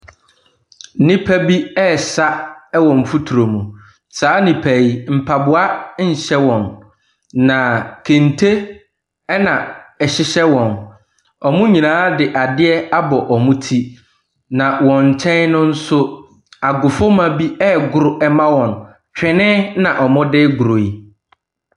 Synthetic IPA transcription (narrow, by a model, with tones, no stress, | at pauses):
nɪ̃˦pʰæ˦bi˦ɛ˦˨sa˦ɛ˦wɔ̃˨m̩˨fu˦tʰu˨ɾo˨mũ˨ | saː˨˦nĩ˨pʰæ˨i˨m̩˨pʰa˨bʊ˨a˦ɲ̩˨ɕɛ˦wɔ̃˨nː | ã˨kʰẽ˨n˨tʰe˦ | ɛ˦nã˨ɛ˨ɕɪ˦ɕɛ˦wɔ̃˨n | ɔ˨mʊ̃˦ɲĩ˨nãː˦dɪ˨ʔa˨dɪ˦ɛ˦a˦bɔ˨ʔɔ˨mũ˦tʰi˦ | nã˨wɔ̃˨ɲ̩˨t͡ɕʰɛ̃˦nnʊ̃˦n̩˦sʊ˦ | a˨ɡʊ˨fʊ˦mã˨bi˦ɛ˦˨ɡʊ˨ɾʊ˨ʔɛ˦mã˦wɔ̃˨n | t͡ɕᶣɪ̃˨nɪ̃˦nã˨ʔɔ˨mʊ̃˦dɪ˦ɡʊ˨ɾo˨i˨